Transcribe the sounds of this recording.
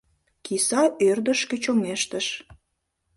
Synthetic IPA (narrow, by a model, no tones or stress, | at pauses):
kisɑʔørd̪əʃkøt͡ɕomeʃt̪əʃ